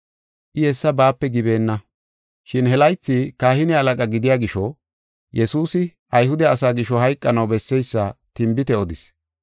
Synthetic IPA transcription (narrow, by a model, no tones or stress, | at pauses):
ʔɪhɛsːɐbaːpːɛɡɪbe̞ːnːɐ | ʃɪnɦɛlɐjt͡sːɪkaːhɪnɪɐlɐkʼɐɡɪd̪ɪjaːɡɪʃɔ | jɛsuːsɪ | ɐjhʊd̪ɛɐsaːɡɪʃɔɦɐjkʼːɐnɐwbɛsːɛjsːɐt̪ɪmbɪt̪ɛɔd̪ɪs